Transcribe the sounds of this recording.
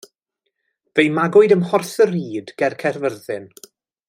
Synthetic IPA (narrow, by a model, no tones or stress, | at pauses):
vejmaɡʊɨdəmhɔrθəɾiːdɡ̥ɛrkʰɛrvərðɪn